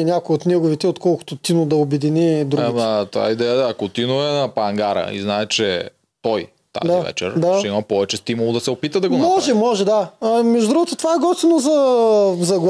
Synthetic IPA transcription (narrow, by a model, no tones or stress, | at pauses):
nʲakojot̪nɛɡʊvit̪ɛot̪kɔlˠkʊ̥t̪ot̪inʊd̪ɐobɛd̪inid̪ɾuɡit̪ova̰id̪ɛjəd̪aːkot̪inoɛnɐpɐŋɡaɾə̰ḭznaɛt͡ʃɛ | t̪ɔj | t̪a̰dzaiavɛ̰t͡ʃɛ̰ɾd̪aʃɛimɐpɔvɛt͡ʃɛst̪imʊlˠod̪ɐsɛopit̪əd̪ɐɡonmɔʒɛmɔʒɛd̪amɛʒd̪ʊd̪ɾuɡot̪ot̪ovaɛɡɔst̪inozɐzɐɡ